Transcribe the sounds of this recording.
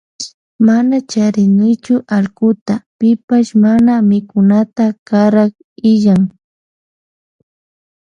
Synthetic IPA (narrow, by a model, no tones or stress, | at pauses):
manat͡ʃaɾɪnɪjt͡ʃʊʔalkʊt̪apɪpaʃmanamɪkʊnat̪akaɾɑχ | ɪʎaŋ